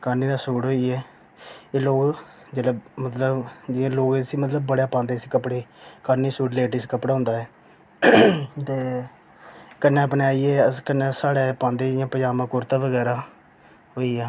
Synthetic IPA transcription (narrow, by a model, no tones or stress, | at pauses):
kaːniːd̪aːsuːɽɦoːiːɛː | eːloːɡ | d͡ʒeləmət̪ləbd͡ʒɪãːloːɡesiːmət̪ləbːəɽjaːpãːnd̪eːsiːkəpɽeːkaːniːsuːɖleːʈiskəpɽaːɦʊ̃ːnd̪aːɛː | t̪eː | kənːẽːəpneːaːiːɛːəskənːẽːsaːɽeːpãːnd̪eːd͡ʒɪjãːpəd͡ʒaːmãːkʊɾt̪aːʋəɡɛːɾaː | ɦoːiːɛː